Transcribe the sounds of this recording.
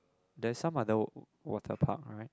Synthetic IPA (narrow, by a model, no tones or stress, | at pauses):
dɛsãmaðə | wɔ̰tʰə̰pʰa̰k̚ɹaɪt̚